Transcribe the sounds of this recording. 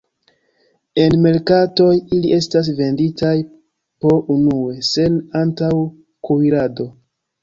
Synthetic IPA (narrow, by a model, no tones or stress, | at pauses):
e̞nme̞ɾkato̞jiliʔe̞stas̬ve̞nditaj | po̞ʔunue̞se̞nantaw | kuiɾado̞